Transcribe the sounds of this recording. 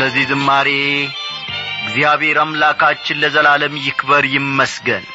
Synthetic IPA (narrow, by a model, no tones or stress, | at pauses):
əzːizɨmːaɾe | ɪɡzijaβhe̞ɾamlakʰat͡ʃːɪnləzəlaləmjɪkbəɾjɪmːəsɡən